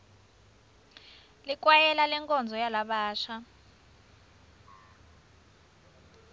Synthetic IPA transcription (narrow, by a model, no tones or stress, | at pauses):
lik̬ʼwajɛlalɛŋkʼɔnd͡zʱɔjalaɓaːʃa